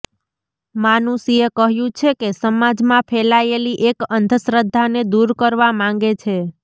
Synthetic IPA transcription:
manusiekəɦjũt͡ʃʰekesəmad͡ʒmãpʰɛlaeliʔekənd̪ʱəsɾəd̪ʱːaned̪uɾkəɾʋamãŋɡet͡ʃʰe

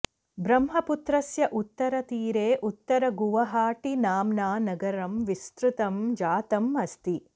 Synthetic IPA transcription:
bɾɐmɦɐput̪ɾɐsjɐʔut̪ːɐɾɐt̪iːɾeːʔut̪ːɐɾɐɡuʋɐɦaːʈinaːmnaːnɐɡɐɾɐmʋist̪ɾut̪ɐmd͡ʒaːt̪ɐmɐst̪i

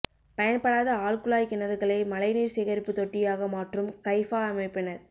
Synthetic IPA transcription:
pɐjɐnpɐɽaːðɐaːɭkɯɭaːjkɪnɐðɣɐɭɐɪmɐlɐɪniːɾsɛɣɐɾɪpːɯt̪ɔʈːɪjaːɣɐmaːʈrɯmkɐɪfaːɐmɐɪpːɪnɐɾ

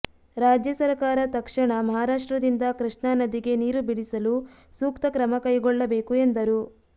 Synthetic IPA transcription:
ɾaːd͡ʒjɐsɐɾkaːɾɐt̪ɐkʂɐɳɐmɐɦaːɾaːʂʈɾɐd̪ind̪ɐkɾɨʂɳaːnɐd̪iɡe̞niːɾubiɽisɐlu | suːkt̪ɐkɾɐmɐkɐjɡɔɭːɐbeːkue̞nd̪ɐɾu

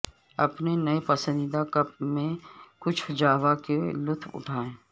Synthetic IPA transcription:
ɐpnenɐepɐsə̃nd̪d̪akɐp̚mẽkʊt͡ʃʰd͡ʒaːʋakelʊt̪ʰʊ̰ʈʰaːẽː

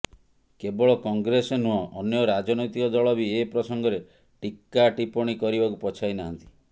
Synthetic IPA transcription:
kebɔɭɔkɔŋɡɾesenuɔʔːnjɔɾad͡ʒɔnɔjt̪ikɔd̪ɔɭɔbiepɾɔsɔŋɡɔɾe | ʈikːaʈipɔɽ̃ikɔɾibakupɔt͡ʃʰajnaɦant̪i̥

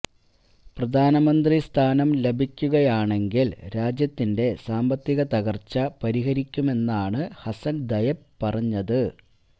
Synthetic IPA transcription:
prɐd̪ʱaːnɐmɐnd̪rist̪ʰaːnɐmlebʱikʲːuɣɐjaːɳe̞ŋɡilɾaːd͡ʑjɐt̪ːinde̞saːmbɐt̪ːiɣɐt̪ɐɣɐrt͡ɕːɐpɐɾiɦɐɾikʲːume̞nːaːɳɨhɐsɐnd̪ɐjɐppːɐrɐɲːɐðɨ

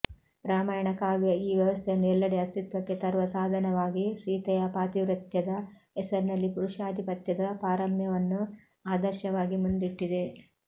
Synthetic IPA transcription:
ɾaːmaːjɐɳɐkaːʋjɐiːʋjɐʋɐst̪ʰejɐnːuɛlːɐɽeɐst̪it̪ʋɐkːet̪ɐɾʋɐsaːd̪ʱɐnɐʋaːɡisiːt̪ɐjɐpaːt̪iʋɾɐt̪jɐd̪ɐ | ɛsɐɾnɐlːipuɾuʃaːd̪ʱipɐt̪jɐd̪ɐpaːɾɐmjɐʋɐnːu | aːd̪ɐɾʃɐʋaːɡimund̪iʈːid̪e̞

